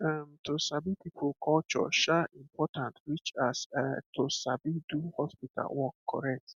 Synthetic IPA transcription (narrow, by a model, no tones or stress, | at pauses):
amtʰosabitipʰukʰɔt͡ʃɔ̰ʃaĩmpʰɔtãntɹit͡ʃasatʰosabiduhɔspitʰa̰lwɔkʰːɔ̰ɹɛk̚t